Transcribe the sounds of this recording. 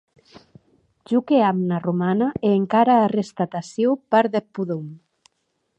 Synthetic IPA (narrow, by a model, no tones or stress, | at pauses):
ʒukeamnarumanaʔeːŋkaɾaːrest̪at̪asjopaɾðepːuðum